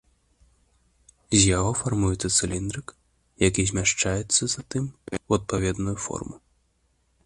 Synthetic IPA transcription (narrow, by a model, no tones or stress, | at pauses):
zʲjaɣɔfarmujɛt̪sɐt̪sɨlʲind̪ɾɨk | jakʲizʲmʲaʂt͡ʂajɛt̪sːɐzat̪ɨmwɐt̪̚pavʲɛd̪nujufɔ̰rmu